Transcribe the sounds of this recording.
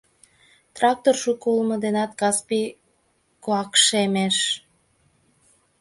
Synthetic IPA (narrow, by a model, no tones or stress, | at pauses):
t̪rɑk̚t̪orʃukoulmɤd̪enɑt̪̚kɑspi | koɑkʃemeʃ